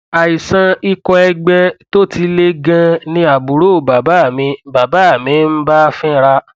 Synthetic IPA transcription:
a˨i˨sã˧i˧kɔ˧ɛ˧ɡ͡bɛ˧to˦ti˧˦le˦ɡã˧nĩ˧a˨bu˨ɾo˦˨ba˨ba˨˦˨mĩ˧˦ba˨ba˨˦a˨mĩ˨˦n̩˦ba˦˧fɛ̃˦ɾa˧

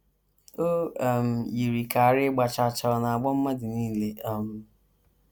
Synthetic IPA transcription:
o˦˨m̩˨ji˨ɾi˨ka˨a˨ɾɪ˦ɡ͡ba˨t͡ʃa˨t͡ʃa˨ɔ˨na˨a˨ɡ͡bɔ˦m̩˦ma˦dɪ˨niː˦le˦a˦˨m̩˨

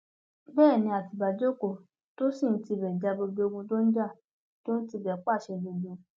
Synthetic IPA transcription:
bɛː˦˨nĩ˧˦a˨ti˨ba˨d͡ʒo˦ko˨ | to˦si˦˨n̩˦ti˧˨bɛ˨d͡ʒa˧˦bo˧bi˧˦o˧ɡũ˧do˦n̩˦d͡ʒa˦˨ | to˦n̩˦ti˧˨bɛ˨k͡pa˦˨ʃɛ˧lo˧lũ˨˧˦

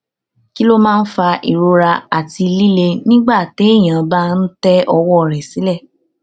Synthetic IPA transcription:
ki˦lo˦mãː˦˧n̩˦fa˧ʔḭ˨ɾo˧ɾa˧a˨ti˧li˦le˧nĩ˦ɡ͡ba˦˨te˨˦e˦˨j̃ã˨˧ba˦n̩˦tɛ˦ʔɔ˧wɔ˦˨ɾɛ˨sĩ˨˦lɛ˦˨

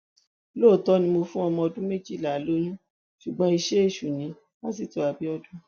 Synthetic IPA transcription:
lo˦˨tɔ˦nĩ˧mo˧fũ˦ɔ˧mɔ̃˧ɔ˧dũ˦me˦˨d͡ʒi˦˨la˨lo˦nũ˦ | ʃu˨ɡ͡bɔ̃˧˦i˧ʃe˦e˦˨ʃu˨nĩ˨˦ | mã˦si˨to˨a˨bi˨˦ɔ˧dũ˦

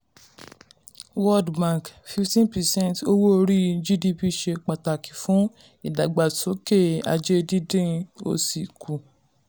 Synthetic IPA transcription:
wɔ˦dbã˦˨kfi˧ftĩ˦npɛ˨sɛ̃˦˨nto˦wo˦o˧ɾi˦d͡ʒi˦di˧pi˧ʃe˧k͡pa˨ta˨ki̥˨fũ˨˦ | i˨da˨ɡ͡ba˨to˨˦ke˦˨a̰˧d͡ʒe˦di˦dẽ˦˧o̰˧si˨ku˨

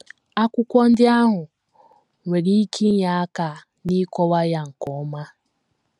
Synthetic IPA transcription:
a˦kʷʊ˦kʷɔ˦n̩˦dɪ˦a˦ɦʊ˨ | wʷe˨ɾi˦kʰi˦ja˨˦ka˨ | ni˦kɔ˦wa˦ja˨ŋ̩˨kɔ˨˦ma˦

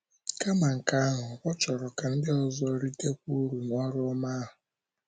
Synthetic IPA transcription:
ka˦ma˨ŋ̩˨ka˦a˦ɦʊ˨kʷɔ˦t͡ʃɔ˨ɾɔ˨ka˨n̩˦dɪ˦ɔ˦zɔ˦ɾi˦te˦kʷu˦ɾu˨ŋʷa˦ɾɔ˦ma˦ɦʊ˨

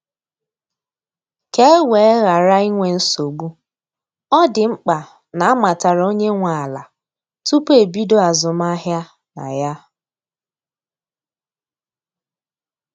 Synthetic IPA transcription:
ke˦e˦we˨˦ɣa˨ɾa˦i˦ŋʷe˨n̩˦so˨ɡ͡bu˦ | ɔ˦dɪ˨ŋ͡m̩˦k͡pa˨ | na˨a˦ma˨ta˨ɾo˦ɲe˦ŋʷa˨a˨la̰˨ | tu˦pe˨bi˦do˦a˨zʊ˨m˦a˦ɦja˦ | na̰˨ja˦

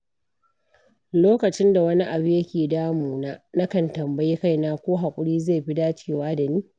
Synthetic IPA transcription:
loː˦kɐ˨t͡ʃɪ˦nda˨wɐ˦ni˦ʔa˨bi˦jɐ˦kʲeː˨daː˦muː˨naː˦nɐ˦kɐ˨ntɐ˨mbɐ˦jeː˦ka˦˨jnaː˦kʷoː˦ɦa˨kʷʼʊ˦ɽiː˦zeː˦˨jɸi˦daː˦t͡ʃeː˦˨waː˦da˨niː˦

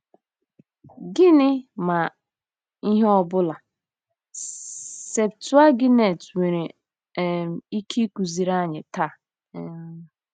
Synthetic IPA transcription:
ɡɪ˦nɪ˦ma˨ | i˦ɦe˦ɔ˦bʊ˦la˨ | se˨ptu˦a˦ɡɪ˦ne˨twe˨ɾe˨ | i˦kʰi˦ku˨zi˨ɾa˦˨ɲɪ˨ta˦˨˦

